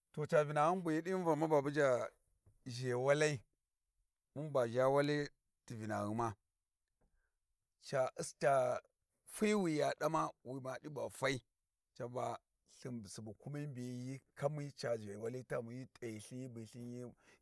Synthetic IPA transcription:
to˨t͡ʃa˨vi˨na˨ɣu˦nbu˨ji˦di˦va˨ma˦ba˨bu˦d͡ʒa˨ | ʒe˨wa˦la˦i˦ | mu˦nba˨a˦wa˦li˦ | ti˨vi˨na̰˨ɣi˦ma˦ | t͡ʃa˨i˦sta˨ | fi˦wi˨ja˨ɗa˦ma˦wi˨ma˨ɗi˦ba˨fa˦i˦ | t͡ʃa˨ba˨ | ɬi˨m˨si˨bu˨ku˦mi˦mbi˨˦ji˦ka˦mi˦t͡ʃa˨ʒe˨wa˦la˦ta˦mu˨ji˦tʼa˨i˨ɬi˦ji˦bi˨ɬi˦nji˦

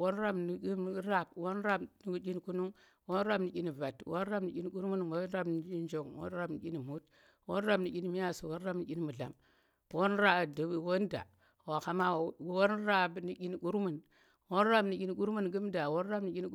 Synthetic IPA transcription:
wo˦nɾa˦bni˨ɡi˦ɾa˦b̚wo˦nɾa˦bni˨ɡu˦ki˦n˦ku˦nu˦ŋ | wo˦n˦ɾa˦bni˨kʲi˦ni˨va˨two˦n˦ɾa˦bni˨˦kʲi˦ni˦ku˦ɾmu˦n˨wo˦ɾa˦bn˨i˦d͡ʒo˨ŋwo̰˦n˦ɾa˦bni˨kʲi˦ni˨mu˦t | wo˦n˦ɾa˦bni˨kʲi˦ni˦mi˦ja˦˨si˨wo˦n˦ɾa˦bni˨˦ɡʲi˦ni˦mu˨ɮa̰˨m | wo˦nɾa˨di˨wo˦n˦da̰˨ | wo˨ka˨ma˦wwo˦nɾa˦bni˨kʲi˦ni˨ɡu˦ɾmu˨n | wo˦n˦ɾa˦˨bni˨kʲi˦ni˦ku˦ɾmu˦n˨ɡu˦m˦da˨wo˦n˦ɾa˦bni˨˦kʲi˦n˦

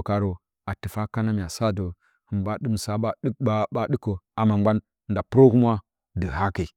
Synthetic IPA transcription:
ka˨ɾo˨ | a˨tɨ˨fa˦ka˦na˦mi˨a˨sa˦do˨ | hi˨mba˦ɗɨ˦m˨sa˦ba˦ba˦ɨ˦kːo˨a˨ma˨mɡ͡ba˦n˨ | nda˨pɾo˦ku˦m˦a˦ | də˨ɦa˦ke˨i˨

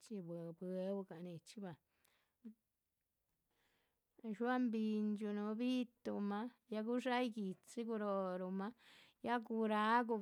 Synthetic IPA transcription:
t͡ʃi˧bbe˧˦bu˧ka˨ni˧t͡ʃi˧˦ba˨˧ | ʃwa˦mbi˧nd͡ʒu˧no˧bi˦t̪u˧ma˧ja˧ɡu˦ʂa˦jɡi˨t͡si˦ɡu˧ɾo˧ɾu˧ma˦ja˦ku˧ɾa˧˦ɡu˧

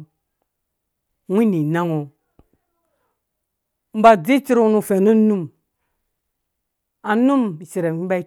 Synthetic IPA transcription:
wʷi˦ni˨na˦ŋo˨ | m̩˦ba˨d͡zi˦t͡ʃi˦ɾu˦nu˦˨fe˨nu˦nu˦m | a˨nu˦m˨si˨ɾe˨m˨i˦a˦

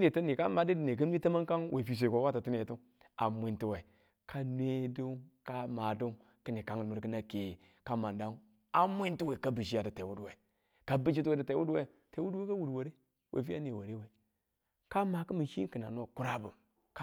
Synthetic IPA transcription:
ne˨ti˦ni˨ka˦ma˨di˦di˨ne˨ki˦nʷ˦i˦ta˦ma˦ŋka˦ŋwʔe˨fi˨s̬ʷe˨kʷo˨˦wa˦ta˨ti˦ne˨tu˦ŋ | a̰˨mʷ˨i˨nti˦we˨ | kʰa˦nʷ˦e˦du˦ŋka˦ma˨du˦ŋ | ki˦ni˨ka˦ŋ˨nu˨ɾkə˦na˦ke˨ | ka˦ma˨nda˦ŋ˦ | a˨mʷ˦i˦nti˦we˨ka˦bi˨ʃi˦a˨di˨te˨wu˦dwe˨ | ka˦bi˦ʃi˦tu˦we˦di˨te˨˦wu˦dwe˦˨ | te˨˦wu˦dwe˦ka˦wu˨dwo˨ɾe˦ | wʔḛ˨fi˦a̰˦ne˨wo˨ɾe˦we˨ | ka˦ma˨kə˦mi˨ʃḭ˦kɨ˨na̰˨n˦o˦˨ku˦ɾa˦bu˨ | k

